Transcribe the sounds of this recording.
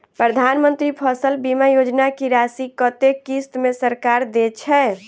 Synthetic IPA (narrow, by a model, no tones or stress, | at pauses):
pɾəd̪ʱanmənt̪ɾipʰəsəlbimajod͡ʒnakiɾasikət̪ekːist̪mesəɾkaɾd̪et͡ʃʰɛ